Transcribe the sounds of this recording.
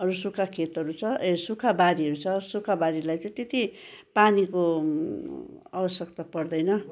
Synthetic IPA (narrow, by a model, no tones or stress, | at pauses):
ʌɾusukʰakʰet̪ʌɾut͡sʰʌʔesukʰabaɾiʌɾut͡sʰʌsukʰabaɾilajt͡sẽj̃t̪et̪i | paniko | ʌbʌsjʌkt̪apʌrd̪ʌjnʌ